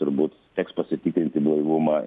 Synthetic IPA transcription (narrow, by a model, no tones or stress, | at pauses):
t̪ʊɾbuːt̪ | t̪ʲɛkspɐsʲɪt̪ʲiːkɾʲɪnʲt̪ʲɪblˠɐɪʋʊmɑ